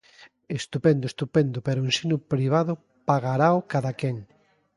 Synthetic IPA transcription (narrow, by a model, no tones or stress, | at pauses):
est̪upend̪ʊest̪upend̪ʊpeɾʊensinʊpɾiβ̞aðʊ | paɣaɾaokaðakeŋ